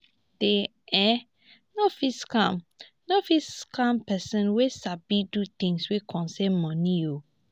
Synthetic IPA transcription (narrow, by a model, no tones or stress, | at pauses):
d̥e | ɛ | nofiskãm | nofiskampɛsɔ̃nwesabidut̪ĩŋswekʰɔ̃nsɛ̃nmɔ̃nio